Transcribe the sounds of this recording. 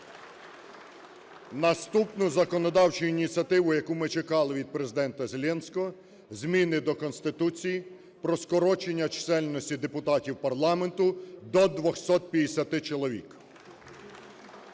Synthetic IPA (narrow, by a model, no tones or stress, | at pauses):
nɐst̪upnʊzɐkɔnɔd̪ɑwt͡ʃʊinʲit͡sʲɐt̪ɪʋʊjɐkumɪt͡ʃekɑlˠɪʋʲid̪̚pɾe̞zɪd̪ɛnt̪ɐzelʲɛnsʲkɔɦɔ | zʲmʲinɪd̪ɔkɔnst̪ɪt̪ut͡sʲiji | pɾɔskɔɾɔt͡ʃenʲːɐt͡ʃsɛlʲnɔsʲtʲid̪epʊt̪ɑtʲiwpɐrlˠɑme̞nt̪ʊd̪ɔd̪ʋɔxsɔt̪̚pʲjɐd̪esʲɐt̪ɪt͡ʃɔlˠɔʋʲḭk